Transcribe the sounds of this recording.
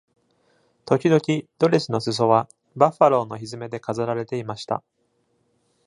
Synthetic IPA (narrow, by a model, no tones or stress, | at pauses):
t̪o̞kʲid̪o̞kʲid̪̥o̞ɾʲesɨno̞sɨs̬o̞βa | baɸaɾo̞ːno̞çizɨme̞d̪e̞kazaɾaɾe̞t̪e̞imaɕi̥t̪a̰